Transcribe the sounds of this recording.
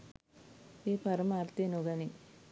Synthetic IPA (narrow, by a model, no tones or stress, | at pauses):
eːpɐɾɐmaːɾt̪enuɡɐni